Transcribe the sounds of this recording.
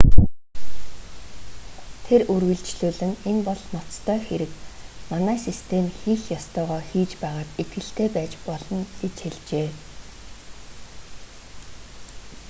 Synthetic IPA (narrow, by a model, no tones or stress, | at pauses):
t̪ʰerɵrwɘ̆ɮt͡ɕɮuːɮɘ̆ŋenpɔɮnɔt͡st̪ʰœːxeɾɘ̆kmanæːsist̪ʰemxiːxjɔst̪œːʁœːxiːt͡ɕpæːʁaːt̪et̪̚ɡɘ̆ɬt̪ʰeːpæːt͡ɕpɔɮɞ̆net͡ɕxeɮt͡ɕeː